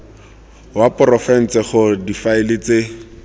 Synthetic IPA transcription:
wapʊrɔfɛn̩t͡sɛχʊdifaɪlɪt͡se

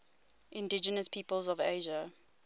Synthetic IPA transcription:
ʔɪ̃ndɪd͡ʒənəspʰiːpəlˠzɔvḛːʒə

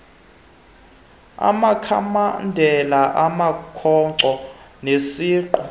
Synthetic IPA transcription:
a̰makʰa̰mandʱɛlaʔamakʰɔǀɔnesiːǃɔ

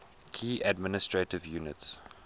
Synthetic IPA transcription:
kʰiːʔadmɪnɪstɹetɪvjuːnɪts

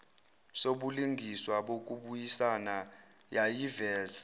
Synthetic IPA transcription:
soɓuliŋɡʱiswaɓok̬ʼuɓujisana | jajivɛːza

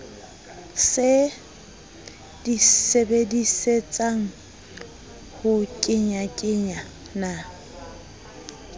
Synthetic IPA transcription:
sɪ | d̥isebediset͡sʼaŋ̩ | hʊkʼɪɲakʼɪɲa | na

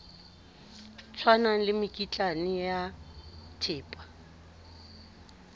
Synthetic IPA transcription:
t͡sʰwanalɪmɪkʼit͡ɬʼanɪjatʰɪːpʼḁ

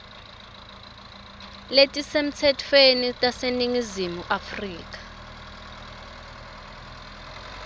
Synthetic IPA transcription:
letʼisem̩t͡sʰɛtʰwenitʼaseniŋizimuʔafriːk̬ʼḁ

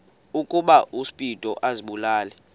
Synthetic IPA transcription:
ukʼuɓaʔuspʼitʼɔʔaziɓulaːlɛ

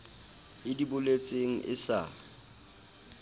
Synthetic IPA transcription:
ɪdibʊlet͡sʼeŋ̩ʔɪ̰sa

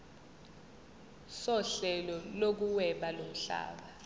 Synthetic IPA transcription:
sɔɬɛlɔlok̬uwɛɓalom̩ɬa̰ːɓa

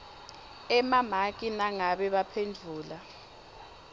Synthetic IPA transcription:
ɛmamakʼinaŋaɓɛɓapʰend͡ɮʱuːla

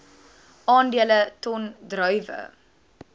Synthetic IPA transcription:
ʔɑːndiələtɔndrœɥvə̰

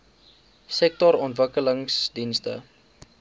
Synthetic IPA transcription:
sɛk̚tɔɾɔntvəkələŋsdinstə̰

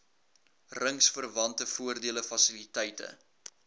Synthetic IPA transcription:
rəŋsfərvɐntəfuərdiələfɐsilitɛjtə̰

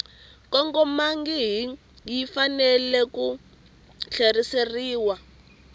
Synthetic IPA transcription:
kɔŋkɔmaŋɡiɦi | ŋijifanɛlɛku | ɬeriseriːwa

